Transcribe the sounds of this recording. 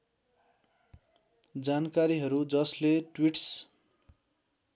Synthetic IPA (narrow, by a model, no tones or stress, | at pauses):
d͡zankaɾiɦʌɾud͡zʌsleʈwiʈs